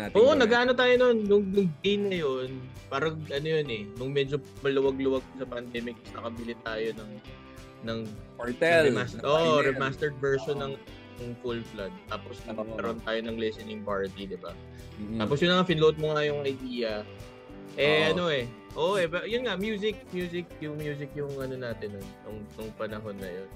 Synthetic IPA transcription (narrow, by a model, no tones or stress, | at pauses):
ʔoːʔonɐɡaaːno̞t̪aːjononːʊŋnʊŋɡejnːɐjonpaːɾɐʔɐnojonɛnʊŋmɛd͡ʒomɐlʊwɐɡ̚lʊwɐɡ̚kʊsɐpɐnd̪ɛːmɪk̚ɐsnɐkɐbɪlɪt̪aːjonɐŋ | nɐŋp̪ɛlɛmasʔoʔɾɛmast̪ɛɹd̪̚vɛɹʃonːɐŋ | jʊŋfulflad̪̚t̪aːposnɐɡkɐɾont̪aːjo̞nɐŋlɛsɛnɪŋpaɹt̪id̪ɪba̰ | t̪aːposjʊnːɐŋafɪnlot̪̚moŋajʊŋʔɐjd̪iːjɐ | ʔɛʔɐno̞ɛ | ʔoʔʔɛpɛjʊnŋamjuːsɪk̚mjuːsɪk̚jʊŋmjuːs̬ɪkjʊŋʔɐno̞naːt̪ɪno | ʊŋnʊŋpɐnɐɦo̞nːɐ̰jon